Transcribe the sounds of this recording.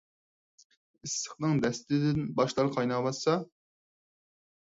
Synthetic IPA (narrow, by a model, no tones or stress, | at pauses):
ɪsːəχnɨŋd̪ɛst̪ɪd̪ɪnbɑʃlˠɑɾqʰɑjnɑwɑsɑ